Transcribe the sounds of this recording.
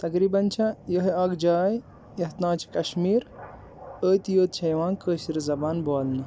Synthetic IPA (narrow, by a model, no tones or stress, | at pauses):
t̪ɐkɾiːbɐnt͡ʃʰɐjəɦɐɡd͡ʒaːj | jɐɦt̪nãːt͡ʃʰkɐʃmiːɾ | əːjt̪joːt̪̚t͡ʃʰɐjʋãːnkəːʃiɾizɐbaːnbaːlni